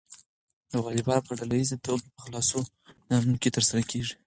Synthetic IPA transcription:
d̪əɣɑlɪbɑnpəɖalajizat̪obepəxlɑso | nɑnuket̪əɾsaɾakʰeʐi̥

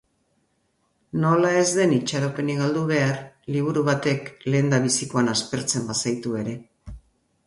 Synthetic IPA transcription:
no̞lae̞zðe̞nit͡ʃaɾope̞niɣald̪uβ̞e̞arliβ̞uɾuβat̪e̞kle̞ːnd̪aβ̞isiko̞anaspe̞ɾt͡se̞mbasajt̪ue̞ɾe̞

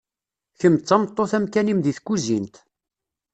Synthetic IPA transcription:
çəmt͡sːɑmt̪ˤːoθæmkænimðiθkːuzint̪

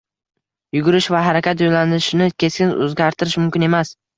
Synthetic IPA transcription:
jʊɡʊɾɪʃvaɦaɾakʲat̪̬jojlanɪʃɪnɪkʲʰe̞skʲɪnɵ̰zɡʲaɾt̪ʰɪɾɪʃmʊmkʲɪne̞mas

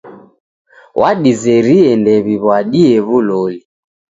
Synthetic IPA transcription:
wʔaɗizɛɾiɛndɛβiβwaɗiɛβulɔli

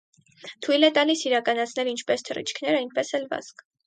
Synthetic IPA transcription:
t̪ʰujlɛt̪ɑlisiɾɑkɑnɑt͡sʰn̪ɛlint͡ʃʰpɛst̪ʰərḭt͡ʃʰkʰnɛɾɑin̚ʰpɛsɛlvɑ̰zk

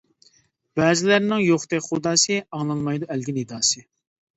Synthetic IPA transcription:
b̥ɛːzɪlæɾnɪŋjoχt̪ɛχud̪ɑːsɨɑŋlˠɑnmɑjd̪uælɡʲinid̪ɑːsɨ

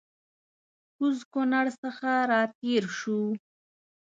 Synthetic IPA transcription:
kuzkonaɽsəxaɾɑt̪eɾʃu

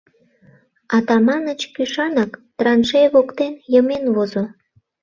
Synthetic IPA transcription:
ɑt̪ɑmɑnət͡ɕkyʃɑnɑkt̪rɑnʃeβokt̪enjəmenβozo

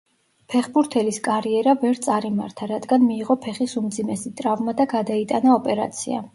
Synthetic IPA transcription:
pʰɛχbuɾt̪ʰɛliskʼaɾiɛɾavɛɾt̪sʼaɾimaɾt̪ʰaɾad̪ɡanmiːʁɔpʰɛχisumd̪zimɛsit̪ʼɾavmad̪aɡad̪ait̪ʼanaɔpʼɛɾa̰t̪sʰḭa̰

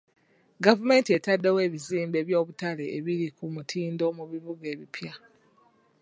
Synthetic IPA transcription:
ɡavume̞ːntie̞tadːewe̞ːβiziːmbe̞βjo̞ːβutaleʔeβiɾikumutʰiːndo̞ːmuβiβuɡe̞ːβipʰja

